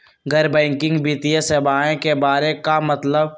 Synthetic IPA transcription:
ɡəɾbɛ̃ːŋkɪ̃ŋɡbiːt̪iesebaːẽkebaːɾekamɐt̪ləb

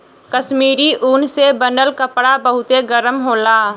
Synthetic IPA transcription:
kəʃmiːɾiʔuːnsebənəlkəpɽabəɦʊt̪eɡəɾəmɦoːlaː

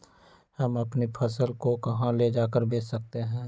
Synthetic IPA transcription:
hɐmɐpnipʰɐsəlkokɐɦãled͡ʒaːkəɾbeːsək̚t̪eɦɛ̃ː

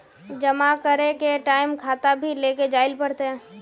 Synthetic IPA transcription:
d͡ʒəmakəɾekeʈaːɪmkʰaːt̪abʱileːked͡ʒaːɪlpəɽt̪eɦɛ̃ː

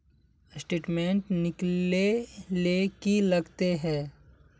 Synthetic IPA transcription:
sʈeːʈmẽːɳʈnɪkelekilɐɡt̪eɦɛ̃ː

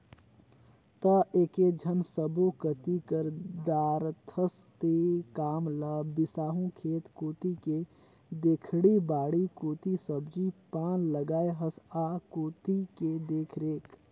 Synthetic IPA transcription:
t̪əeːked͡ʒʱənsəbokət̪ikəɾd̪aːɾt̪ʰəs | t̪ekaːmlabɪsaːɦũkʰeːt̪koːt̪ike | d̪eːkʰɽibaːɽikoːt̪isəbd͡ʒipaːnləɡaːeɦəsaːkoːt̪iked̪eːkʰɾeːk

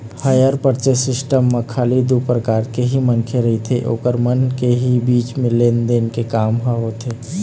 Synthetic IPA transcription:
hajəɾpəɾt͡ʃesɪsʈəmːekʰaːlid̪upɾəkaːɾkeɦimənkʰeɾəɦit̪ʰeʔo̰ːkəɾmənkeɦibiːt͡ʃmẽleːnd̪enkekaːmɦaɦot̪ʰe

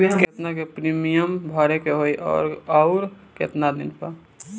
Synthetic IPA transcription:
id̪ket̪nakepɾimijəmbʱɔɾekeɦoiʔɔ̰ːɾɔʊɾ | kḛt̪nad̪inpə

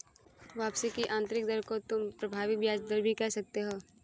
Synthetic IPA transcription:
ʋaːpsikiʔãːnt̪ɾɪk̚d̪əɾkot̪ʊmpɾɐbʱaːʋibjaːd͡ʒd̪əɾbʱikɛɦsɐk̚t̪eɦoː

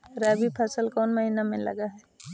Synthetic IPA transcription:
ɾaːbipʰɐsəlkɔːnmɐɦinamẽlɐ̰ɡaɦɛː

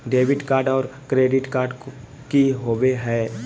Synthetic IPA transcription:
ɖeːʋɪʈkaːɾɖɔːɾkɾeːɖɪʈkaːɾɖ | kiɦoːʋeɦɛː

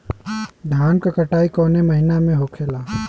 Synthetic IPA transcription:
d̪ʱaːnkakɐʈaːikɔːnemɐɦɪnamẽɦokʰeːlaː

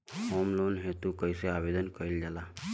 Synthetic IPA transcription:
hoːmloːnɦet̪ukəiseabed̪ənkəild͡ʒala

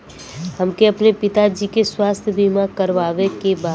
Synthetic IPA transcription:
hɐmkeɐpnepɪt̪ad͡ʒiːkeswaːst̪ʰjəbʱimakəɾʋaːʋekebaː

